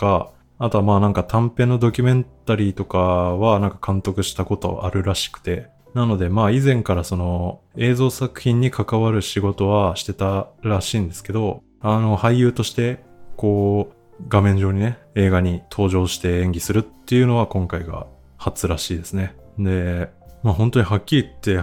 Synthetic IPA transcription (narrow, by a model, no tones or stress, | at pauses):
oka | at̪o̞amaːnãŋkat̪ʰãmpẽ̞nːo̞d̪o̞kʲɨmẽ̞nt̪aɾʲiːt̪o̞kaβanãŋkḁkʰãnt̪o̞kɯ̟ɕi̥t̪ako̞t̪o̞̰ʔaɾɯ̟ɾaɕi̥kɯ̟̥t̪e̞ | nano̞d̪e̞maːizẽ̞ŋkaɾaso̞no̞e̞ːzo̞ːsakɯ̟̥çʲĩɲ̟ːikʰakaβaɾɯ̟ɕiɡo̞t̪o̞βaɕi̥t̪e̞t̪aɾaɕiːnd̪e̞sɨ̥ke̞d̪o̞ | ano̞haijɯ̟ːt̪o̞ɕi̥t̪e̞ko̞ː | ɡamẽ̞ɲ̟d͡ʑo̞ːɲ̟ine̞e̞ːɡaɲ̟it̪ʰo̞ːʑo̞ːɕi̥t̪e̞ẽ̞ŋɡʲisɨɾɯ̟t̪ːe̞jɯ̟no̞β̞akõ̞ŋkaiɡa̰ | hat͡sɨɾaɕiːd̪e̞sɨne̞d̪e̞maːɦõ̞nt̪oɲ̟iɦakʲːiɾʲit̪ːe̞